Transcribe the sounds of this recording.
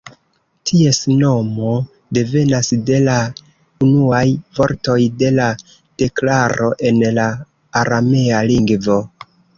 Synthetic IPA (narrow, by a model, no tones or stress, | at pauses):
tʰie̞sno̞mo̞ | de̞ve̞nasde̞la | unuajvo̞ɾto̞jde̞la | d̥e̞klaɾʔo̞ʔe̞nlaː | ɾamealiŋɡvo̞